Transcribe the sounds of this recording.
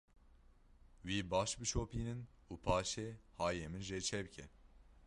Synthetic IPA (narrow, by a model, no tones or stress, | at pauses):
wiːbɑːʃbɨt͡ʃʰoːpiːnɨn | uːpʰɑːʃeːhɑːjeːmɨnʒet͡ʃʰɛbɨcʰɛ